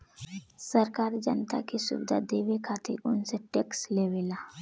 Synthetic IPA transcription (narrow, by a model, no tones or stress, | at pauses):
səɾkaɾd͡ʒənt̪a̰kisṵbd̪ʱa̰d̪eʋekʰat̪ḭɾunseʈeksleʋela